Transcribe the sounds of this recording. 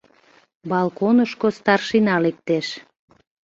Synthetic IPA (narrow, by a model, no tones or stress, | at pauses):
bɑlˠkonəʃkost̪ɑrʃinɑlek̚t̪eʃ